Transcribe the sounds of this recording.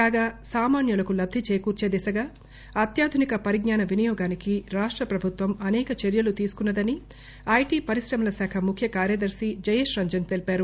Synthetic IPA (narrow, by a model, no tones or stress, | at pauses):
kaːɡaːsaːmaːnjulɐkulɐb̚d̪ʱit͡ʃeːkuːɾt͡ʃeːd̪ɛsɐɡaː | ɐt̪jaːd̪ʱunikɐpɐɾiɡɲaːnɐʋinijɔːɡaːnikiɾaːʂʈɾɐpɾɐbʱut̪ʋɐmɐnɛːkɐt͡ʃeɾjɐlut̪iːsu̥kunːɐd̪ɐni | ɐjʈiːpɐɾisɾɐmɐlɐsaːkʰɐmukʰjɐkaːɾjɐd̪ɐɾsid͡ʒɐjeːʃɾɐɲd͡ʒɐnt̪e̞lipaːɾu